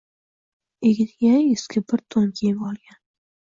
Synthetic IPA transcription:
eɡʲɪnɡʲaɪskʲʰɪbɪɾt̪ʰoŋkʲʰeɪmɒlˠɡʲan

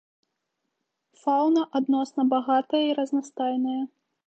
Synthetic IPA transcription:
fawnɐʔad̪nɔsnɐbaɣat̪ɐjɐiɾɐznast̪ajnɨjɐ

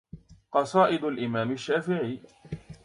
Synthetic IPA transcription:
qɑsˤɑːʔɪd̪alʔɪmaːmaʃːaːfɪʕiː

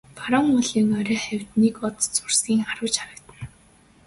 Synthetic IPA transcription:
faɾɔŋʊɮiːŋɔɾʲœːχæwʲt̪nikɔt̪t͡sʊr̥sɡʲiːŋaɾʊ̆ːt͡ɕaɾə̆kt̪ə̆n

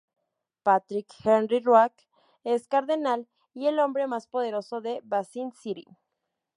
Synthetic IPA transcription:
pat̪ɾikxenrirwak | eskaɾðenal | ielo̞mbɾe̞maspo̞ðe̞ɾo̞so̞ðe̞βasinsiɾḭ

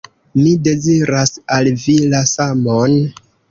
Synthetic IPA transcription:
mide̞ziɾasalvilasamon

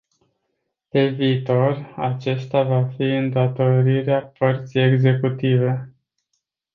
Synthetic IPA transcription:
p̪e̞viːt̪o̞ra̰t͡ʃe̞st̪avafiɨnd̪at̪o̞ɾiɾeapərt̪sije̞ɡze̞kut̪ive̞

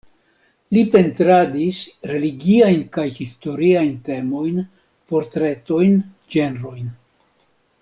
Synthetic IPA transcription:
lipe̞ntɾadisɾe̞liɡiajnkajhisto̞ɾiajnte̞mo̞jn | po̞ɾtɾe̞to̞jn | d͡ʒe̞nɾo̞jn

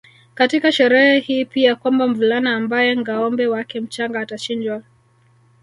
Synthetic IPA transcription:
katikaʃɛɾɛhɛhiːpiakwambam̩vulanaːmbajɛŋɡaɔmbɛwakɛm̩t͡ʃaŋɡaːtat͡ʃind͡ʒwa

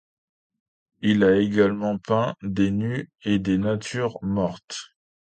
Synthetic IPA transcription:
ilaeɡalmɑ̃pɛ̃d̪enyed̪enat̪ʰyʁmɔʁt̪

